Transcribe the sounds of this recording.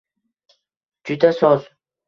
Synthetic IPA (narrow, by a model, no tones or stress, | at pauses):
d͡ʒʊd̪asɒz